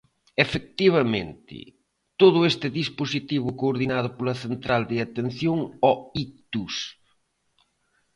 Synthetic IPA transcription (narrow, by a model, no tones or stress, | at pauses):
efek̚t̪iβ̞ɐmḛ̃nt̪ɪ̰ | t̪oðʊest̪ɪðisposit̪iβʊkoːɾðinað̞ʊpolɐθent̪ɾald̪ɪat̪en̟θjoŋɔit̪us